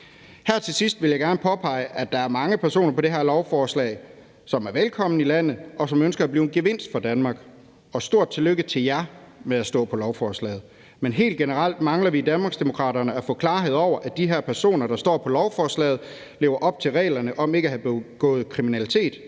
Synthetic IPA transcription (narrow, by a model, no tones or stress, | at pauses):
hæɐ̰t͡sʰe̝lsisd̥ʋeljɑɪɡ̥æɐnəpʰɒ̽pʰɑ̈ɪ̰əʔæd̥ɑ̈æɐmɑ̈ŋəpʰæɐso̝̰ːnɐpʰɒ̽d̥e̝ɦæɐlɒʊfɒːslɛ̰ɪ | sɒ̽mæɐʋelkʰɒ̽m̰n̩ilæn̰ð̩ˠɒ̽sɒ̽mønsɡ̥ɐæb̥liːʊeɡ̥e̝ʋe̝n̰sd̥fɒ̈d̥ænmɑ̈ːɡ̥ | ɒ̽sd̥o̝ɐ̰d̥̚t͡sʰe̝løɡ̥ət͡sʰe̝ljæ | meæsd̥ɔ̰̽ːpʰɒ̽lɒʊfɒːslɛ̰ːð̩ˠ | menɦe̝̰ːld̚ɡ̥e̝nəʁɑl̰d̥mɑ̈ŋlɐʋid̥ænmɑ̈ːɡ̥sd̥emo̝kʰʁɑ̰̈ːɾɐnəæfɔ̰̽kʰlɑ̈ːɦe̝ð̰ˠɒʊ̰ɐʔæd̥iɦæɐpʰæɐso̝̰ːnɐɾ̥ɑ̈sd̥ɒ̰ːpʰɒ̽lɒʊfɒːslɛ̰ːð̞̩ˠ | le̝ːʊɐʔɒ̽b̥̚t͡sʰe̝lʁɛ̰ːlɐnəʔɒ̽me̝ɡ̥æɦhæb̥eɡ̥ɔ̰̽ːð̩ˠkʰʁiminælit͡sʰe̝̰ːd̥